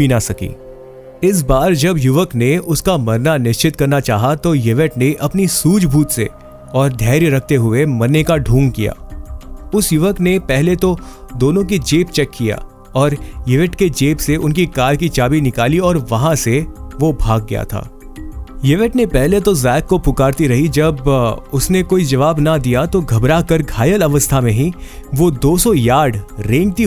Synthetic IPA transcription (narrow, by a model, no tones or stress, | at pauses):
inasɐkḭː | ɪs̬baːɾd͡ʒɐbjʊʋəkneʊskamɐɾnanɪʃt͡ʃɪt̪kɐɾnat͡ʃaːɦat̪ojɪʋəʈneʔɐpnisuːd͡ʒbʱuːt̪sḛ | ɔːɾd̪ʱɛːɾjɾɐkʰt̪eɦʊemɐɾnekaɖʱũːŋɡkija̰ː | ʊsjʊʋəknepɛɦlet̪od̪oːnõk̬id͡ʒeːpt͡ʃɛkːija̰ː | ɔːɾjɪʋeʈked͡ʒeːpseʔʊnkikaːɾkit͡ʃaːbinɪkaːliɔːɾʋɐɦãseʋobʱaːɡ̚ːɐ̰ja̰t̪ʰa̰ː | jɪʋeʈnepɛɦlet̪ozaːɪkːopʊkaːɾt̪iɾɐɦid͡ʒɐbʊsnekoːid͡ʒɐʋaːbnɐd̪ijat̪oɡʱɐbɾakɐɾɡʱaːjəlɐʋəst̪ʰamẽɦiʋod̪oːsɔjaːɖɾẽːŋɡ̚t̪i